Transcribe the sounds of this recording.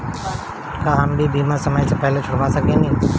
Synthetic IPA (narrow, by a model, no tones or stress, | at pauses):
kaɦəmbibʱiːmasɐməjsepɛɦlet͡ʃʰoːpasɐkenĩː